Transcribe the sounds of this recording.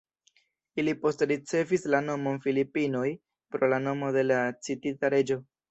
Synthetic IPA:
ilipo̞stɾit͡se̞vislano̞mo̞nfilipino̞j | pɾo̞lano̞mo̞de̞lat͡sititaɾe̞d͡ʒo̞

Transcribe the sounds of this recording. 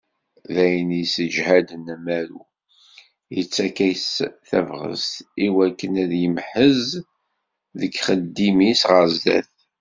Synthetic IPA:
ðæjənisəʒhæd̪ənæmæɾu | jət͡sːækæjsθævʁə̰st̪iwækːənæðjəmħəz | ðəɡχəd̪ːimisʁəɾzːæ̰θ

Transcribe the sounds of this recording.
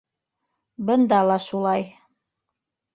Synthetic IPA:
bɤ̆nd̪ɑlˠɑʃulˠɑj

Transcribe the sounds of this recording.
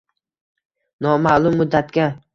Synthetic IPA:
nɒmalˠʊmːʊd̪ːat̪ɡʲa

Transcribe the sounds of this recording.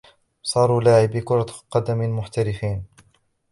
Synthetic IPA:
sˤɑːɾˤuːlaːʕɪbɪkʊɾˤɑqɑd̪amɪlmʊħt̪aɾɪfiːn

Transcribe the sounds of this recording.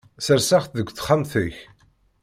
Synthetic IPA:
səɾsaχθðəɡʷːθχamθiç

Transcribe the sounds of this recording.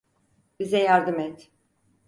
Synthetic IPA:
bizɛjaɾd̪ɯmɛt̪

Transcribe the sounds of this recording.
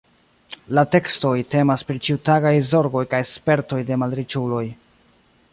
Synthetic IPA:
late̞ksto̞jte̞maspɾit͡ʃiutaɡajzo̞ɾɡo̞jkajspe̞ɾto̞jde̞malɾet͡ʃulo̞j

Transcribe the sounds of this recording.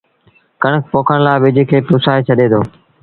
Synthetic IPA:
kəɳək̚ʰpoːkʰəɽ̃laːɪʋɪd͡ʒʱɪkʰeːpʊsaːet͡ʃʰəɗeːd̪ʰoː

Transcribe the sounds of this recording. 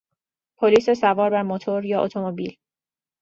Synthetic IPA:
pʰoliːsesævɒːɾbæɾmot̪ʰoɾjɒːʔot̪ʰo̞mobil

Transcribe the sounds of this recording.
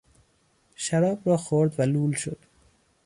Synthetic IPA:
ʃæɾɒːbɾɒːxoɾd̪væluːlʃo̰d̪̥

